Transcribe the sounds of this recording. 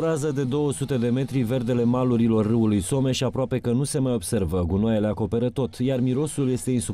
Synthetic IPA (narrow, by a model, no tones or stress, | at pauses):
ɾazəd̪e̞d̪o̞wəsut̪e̞d̪e̞me̞t̪ɾive̞rd̪e̞le̞maluɾilo̞rːɨulujso̞me̞ʃiapɾoape̞kənuse̞majo̞bse̞rvəɡunoajeleako̞pe̞ɾət̪o̞t̪jarmiɾo̞sulje̞st̪e̞insu